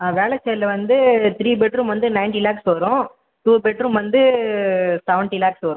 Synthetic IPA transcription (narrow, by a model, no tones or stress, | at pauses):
aʋeːɭɛt͡ʃːɛjlɐʋɐnd̪ɯt̪ɪɾiːbɛʈɾumʋɐnd̪ɯnɐɪnʈilaːksʋɐɾʊ̃ | ʈuːbɛʈɾumʋɐnd̪ɯ | sɛʋɛɳʈilaːksʋɐːɾʊ̃